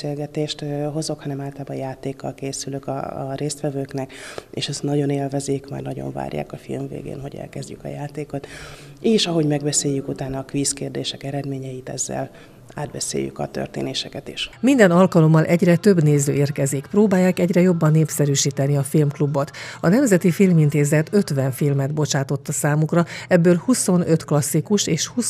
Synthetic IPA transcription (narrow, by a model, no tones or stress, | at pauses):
eːlɡɛt̪eːʃt̪ɦo̞zo̞khɒnɛmaːlt̪laːbɒjaːt̪eːkːɒlkeːsyløkɒ̰ɾeːst̪ʋɛvøːknɛkḛːʃɛst̪nɒɟo̞neːlvɛzeːkma̰ːrnɒɟo̰ɱva̰ːrja̰ːkɒfḭlmvḛːɡḛːnɦo̞ɟɛ̰lkɛzɟykɒ̰jaːt̪eːko̞t̪ | eːʃɒɦo̞ɟmɛɡbɛseːjːykut̪aːnɒːkʋiːskeːrd̪eːʃɛkɛɾɛd̪meːɲɛjit̪ɛzːɛ̰l | aːd̪bɛsḛːjy̰kɒ̰t̪ø̰rt̪ḛːneːʃɛkɛt̪iʃmind̪ɛnɒlkɒlo̞mːɒlʔɛɟrɛt̪ø̞bneːzø̰ːeːrkɛzikproːbaːjːaːkɛɟrɛjo̞bːɒnːeːpsɛɾyːʃiːt̪ɛniɒfilmklubːo̞t̪ɒnɛmzɛt̪ifilmint̪eːzɛt̪ø̞t̪ʋɛɱfilmɛd̪bo̞t͡ʃaːt̪o̞t̪ːɒsaːmukrɒɛbːøːlhuso̞nø̞t̪klɒsːikuʃeːʃhu